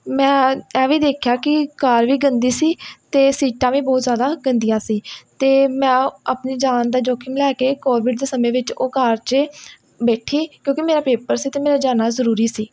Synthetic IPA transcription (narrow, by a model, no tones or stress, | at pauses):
mɛ̃ːɛːʋiːd̪eːkʰjaːkɪkaːɾʋiːɡənd̪iːsiːt̪eːsiːʈãːʋĩːbɔːt̪zjaːd̪aːɡənd̪ɪjãːsiːt̪eːmɛ̃ːaːpniːd͡ʒaːnd̪aːd͡ʒoːkʰɪ̃mlɛːkeːkoːɾʋɪʈ̚d̪eːsəmẽːʋɪt͡ʃoːkaːɾt͡ʃ | bɛːʈʰiːkjõːkɪmeːɾaːpeːpəɾsiːt̪eːmeːɾaːd͡ʒaːnaːzəɾuːɾiːsiː